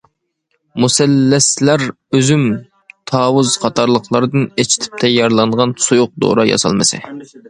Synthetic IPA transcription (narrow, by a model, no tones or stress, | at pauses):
musɛlːɛslæɾ | øzym | t̪ʰɑːwuzqʰɑt̪ʰɑɾlˠəqlˠɑɾɨd̪ɨnet͡ʃʰi̥t̪ʰɪ̥p̚t̪ʰɛjɑɾlˠɑɴʁɑnsujʊq̚d̪o̰ɾɑjɑ̰sɑ̰lˠmɨsɛ̰